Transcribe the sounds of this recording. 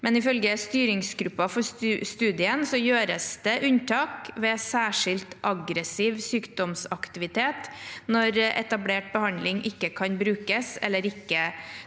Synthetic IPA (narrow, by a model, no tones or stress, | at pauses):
mɛnɪfœlɡəst̪yːɾɪŋsɡɾʉpːɑfɔst̪ʉːd̪ɪənsɔjøːɾəsd̪əʔʉnt̪ʰɑːkʋeːsæːʂɪlt̪ʔɑɡɾəsiːʋsyːkd̪ɔmsɑkt̪ɪʋɪt̪ʰeːt̪nɔɾɛ̰t̪ɑbleːʈ̚bəhɑnd̪lɪŋʔɪkːəkʰɑnbɾʉːkəsɛ̰lːəɾɪkːə